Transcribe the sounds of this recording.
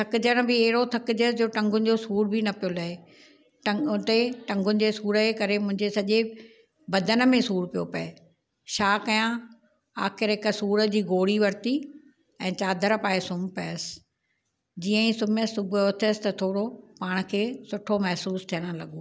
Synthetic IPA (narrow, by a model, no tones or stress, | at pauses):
t̪ʰɐkɪd͡ʑəɽ̃bɪeɦɪɽot̪ʰɐkɪd͡ʑəsd͡ʑoːʈɐ̃ŋɡʱʊnɪ̆d͡ʑosuːɾbɪnɐpijolɐɦe | ʈɐ̃t̪eʈɐ̃ŋɡʊnɪ̆d͡ʑesuːɾəkɐɾemʊ̃ɦɪ̃ɲd͡ʑesɐʄe | bɐd̪ʱənə̆mẽsuːɾpijopɐe | ʃaːkɐjã | aːxɪɾɦɪkəsuːɾə̆d͡ʑiːɡoːɽiʋɐɾt̪i | ɛ̃ːt͡ɕaːd̪ʱəɾpaːesʊmpɐjəsɪ̥ | d͡ʑiːə̃ĩsʊməsʊbʱʊot̪ʰɪsɪt̪ɐt̪ʰoːɽopaːɽ̃̆kʰeːsʊʈʰomɛɦsuːst̪ʰiəɽ̃̆lɐɠoː